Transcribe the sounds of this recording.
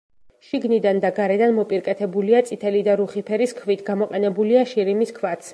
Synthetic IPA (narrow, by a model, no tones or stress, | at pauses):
ʃiɡnid̪and̪aɡaɾɛd̪anmɔpʼiɾkʼɛt̪ʰɛbuliat̪sʼit̪ʰɛlid̪aɾuχipʰɛɾiskʰvit̪ʰɡamɔqʼɛnɛbuliaʃiɾimiskʰvat̪sʰ